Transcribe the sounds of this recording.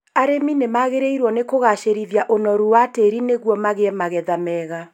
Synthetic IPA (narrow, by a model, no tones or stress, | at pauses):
aɾeminemaɣeɾeiɾwɔnekoɣaʃeɾiðjaʔonɔɾuwateɾineɣwɔmaɣeɛmaɣɛðamɛɣa